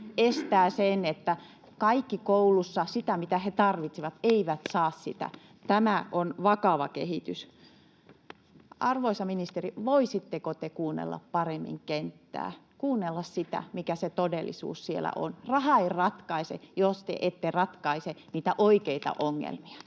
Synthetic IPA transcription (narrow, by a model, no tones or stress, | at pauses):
est̪æːsenet̪ːæ | kɑikːikoulusːɑsit̪æmit̪æhet̪ɑrʋit̪siʋɑt̪eiʋæt̪sɑːssit̪æ̰ | t̪æmæʔonʋɑkɑʋɑ̰kehit̪ys | ɑrʋoisɑminist̪eriʋoisit̪ːekot̪ekuːnːḛlːɑ̰ppɑremːḭŋkent̪ːæ̰ː | kuːnːelːɑssit̪æ̰mikæset̪odelːḭsṵːssiḛlːæ̰ʔo̰nrɑhɑeirɑt̪kɑisḛjost̪ḛʔet̪ːerɑt̪kɑiseniːt̪æʔoikeit̪ɑ̰ʔoŋːḛlmiɑ̥